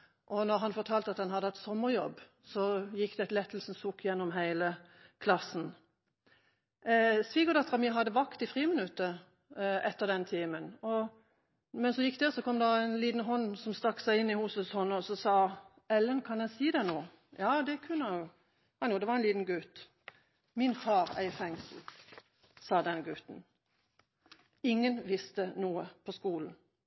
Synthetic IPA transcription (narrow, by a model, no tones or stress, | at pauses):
ʔɔnɔʁɦɑnfɔʁt̪ʰɑːlt̪ɑt̪dɑnhɑd̪əɑt̪sɔmːəʁjɔ̰bː | sɔjɪkːd̪ɛt̪lɛt̪ːl̩sn̩sukːjɛnːɔmɦæɪlə | kʰlɑsn̩ | sʋiːɡəd̪ɑt̪ʁɑmiɦɑd̪əʋɑkt̪ɪfʁiːmənʉt̪ːə | ɛt̪ːəʁd̪ɛnt̪ʰiːmənɔ | mɛnsɔjɪkːd̪ɛːʁsɔkʰɔmd̪ɑæɪnliːt̪n̩ɦɔnːsɔmst̪ɑkːsæɪɪnːɪhuːsəshɔnːɔsɔsɑː | ɛlːənkʰɑnjæɪsiːd̪ɛnoː | jɑːd̪ɛkʰʉnːəɛjʊ | nuːd̪ɛʋɑʁɛnliːt̪n̩ɡʉt̪ | mɪnfɑːʁæ̰ɪfɛŋsl̩ | sɑːd̪ɛnɡʉt̪n̩ | ɪŋːənʋɪst̪ənuːəpʰɔskuːln̩